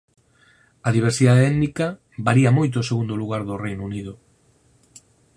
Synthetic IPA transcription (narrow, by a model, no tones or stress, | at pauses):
ɐðiβ̞eɾsiðaðeɛðnikɐ | baɾiɐmojt̪oʊːseɣund̪oluɣaɾðʊrejnouniðʊ